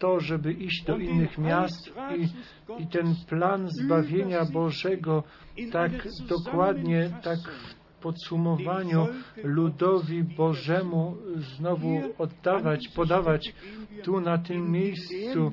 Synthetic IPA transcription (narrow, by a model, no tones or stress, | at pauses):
t̪ɔʐɛbɘʔiʑd͡ʑd̪ɔʔinːɘxmʲjast̪i | it̪ɛnplanzbavʲjeɲabɔʐɛɡɔ | t̪akd̪ɔkwad̪ɲɛt̪akf | pɔt̪sumɔvaɲulud̪ɔvʲibɔʐɛmuznɔvuɔd̪ːavat͡ɕpɔd̪avat͡ɕt̪unat̪ɘmːʲjejst̪su